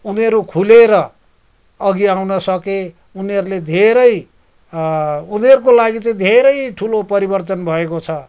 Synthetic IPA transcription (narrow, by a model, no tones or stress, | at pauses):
uniʌɾukʰuleɾʌ | ʌɡiawnʌsʌke | uniʌɾuled̪ʱeɾʌj | unʌɾukolaɡit͡sʌĩd̪ʱeɾʌjʈʰulopʌɾibʌrt̪ʌnbʱʌekot͡sʰʌ